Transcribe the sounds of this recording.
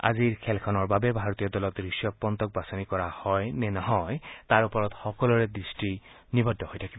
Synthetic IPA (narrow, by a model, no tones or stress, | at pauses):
a̰ziɹkʰɛlkʰɔnɔɹbabɛbʱaɹɔt̪ijɔdɔlɔt̪ɹisjɔk̚pːɔnt̪ɔk̚basɔnikɔɹahɔjnɛnɔɦɔjt̪aɹupɔɹɔtxɔkɔlɔɹɛdɹisti | nibɔdʱːɔhojtʰakibɔ